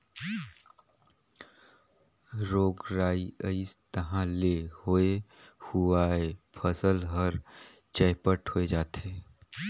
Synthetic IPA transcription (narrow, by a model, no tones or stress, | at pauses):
ɾoːɡɾaːiəist̪əɦãlehoːehuaepʰəsəlɦəɾ | t͡ʃəːpəʈhoed͡ʒaːt̪eː